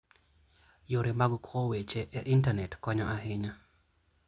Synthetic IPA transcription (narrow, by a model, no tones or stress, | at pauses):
joɾemaɡkʰwɔwet͡ʃeʔɛʔintanɛtkɔɲɔʔaɦɪɲa